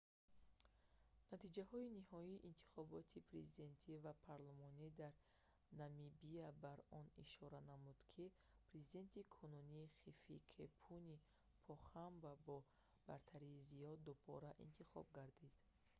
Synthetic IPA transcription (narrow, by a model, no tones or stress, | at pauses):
nat̪ʰid͡ʒahɔinihɔiːʔint̪ʰi̥χɔbɔt̪ʰipʰɾezid̪e̞nt̪ʰivapʰaɾlˠumɔnid̪aɾ | namibiabaɾɔnḭʃɔɾanamud̪̥kʰi | pʰɾe̞zid̪e̞nt̪ʰikʰɔnuniːχifikʰepʰuni | pʰɔχambabɔ | b̥aɾt̪ʰaɾiːzijɔd̪ubɔ̰ɾaʔḭnt̪ʰiχɔ̰b̚ɡaɾd̪id̪̥